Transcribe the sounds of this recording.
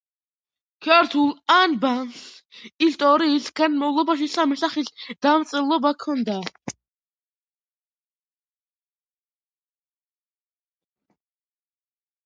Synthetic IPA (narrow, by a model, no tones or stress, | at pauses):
kʰaɾt̪ʰulˠanbaŋksist̪ʼɔɾiːsɡanmɔvlˠɔbaʃ̬isamisaχisd̪̥amt̪sʼɛlˠɔbakʰɔnd̪a